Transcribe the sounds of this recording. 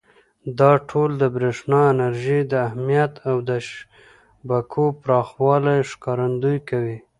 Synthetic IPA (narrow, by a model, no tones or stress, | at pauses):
d̪ɑʈʰold̪əbɾeʂnɑɪnaɾʒid̪əahmijat̪awd̪əʃ | bakʰopɾɑxwɑlajʂkɑɾand̪ujkawi